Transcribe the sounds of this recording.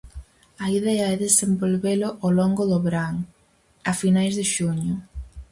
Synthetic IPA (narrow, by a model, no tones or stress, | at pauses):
ɐiðɛɐɛðesembolβelʊʔolɔŋɡʊðʊβɾaŋ | ɐfinajzðɪʃuɲʊ